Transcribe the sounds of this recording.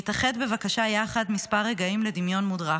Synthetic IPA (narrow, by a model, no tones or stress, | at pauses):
itaχed̪bevakaʃajaχadmispaʁːeɡaimle̞d̪imjo̞nmudʁa